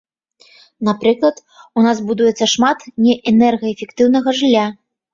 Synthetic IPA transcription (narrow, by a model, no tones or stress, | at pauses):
napɾɨklˠɐt̪ | unazbud̪ujɛt̪sːɐʂmat̪nʲɛʔɛnɛrɣɐɛfʲɛkt̪ɨwnɐɣɐʐlʲːa